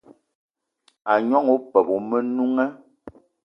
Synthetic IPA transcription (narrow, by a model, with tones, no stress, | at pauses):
a˨ɲɔ˦ŋo˦pɛ˨pu˨mə˦nu˦ŋɛ˦